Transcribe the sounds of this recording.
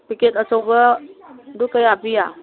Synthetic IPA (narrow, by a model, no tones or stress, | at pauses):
piketəsɔwbə | dukəjabija